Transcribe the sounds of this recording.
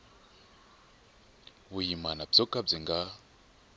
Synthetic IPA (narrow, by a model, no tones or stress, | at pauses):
wujimanab͡ʐɔkʼab͡ʐiŋɡa